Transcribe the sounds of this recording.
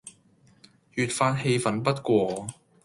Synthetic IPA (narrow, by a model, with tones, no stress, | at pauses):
jyː˨t̚faː˧t̚he˧jfɐ˨˥npɐ˥t̚kʷɔː˧